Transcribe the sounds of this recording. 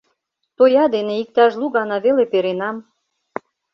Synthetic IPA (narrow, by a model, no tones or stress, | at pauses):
t̪ojɑd̪eneik̚t̪ɑʒluɣɑnɑβelepeɾenɑm